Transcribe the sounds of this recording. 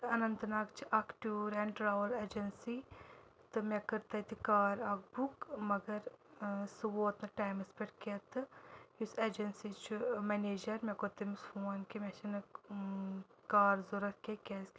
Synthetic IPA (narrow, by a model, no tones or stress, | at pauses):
ɐnɐnt̪naːkt͡ʃʰiʔaːkʈuːɾɛːnʈɾaːʋɐleːd͡ʒɐnsi | t̪ɨmʲɛkɐɾt̪ɐt̪ikaːɾaːk̚bukmɐɡɐɾsɨʋoːt̪nɐʈaːjmɐspeʈket̪ɨjuseːd͡ʒɐnsit͡ʃʰumeneːd͡ʒɐɾmɛkoːt̪ɐmisfoːnkimʲet͡ʃʰɐnɨ | kaːɾzoɾɐkkʲekʲes